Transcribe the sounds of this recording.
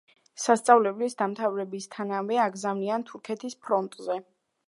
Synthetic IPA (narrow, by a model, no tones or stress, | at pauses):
sast̪sʼavlɛblisd̪amt̪ʰavɾɛbist̪ʰanavɛaɡzamniant̪ʰuɾkʰɛt̪ʰispʰɾɔnt̪ʼzɛ